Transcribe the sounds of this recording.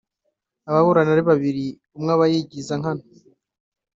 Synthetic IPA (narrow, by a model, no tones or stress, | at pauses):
aβaβuɾanaɾiβaβiɾi | umŋaβajiɟizaŋ̥ano